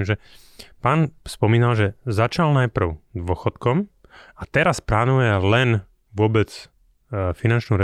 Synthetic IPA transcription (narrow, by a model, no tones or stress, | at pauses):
mʒɛ | paːnspɔmiːnalʒɛzat͡ʃalnajpr̩ʊd̪ʋʊɔxɔt̪kɔm | at̪ɛɾasplaːnujɛlɛn | ʋʊɔbɛt͡s | finant͡ʃnuɾɛ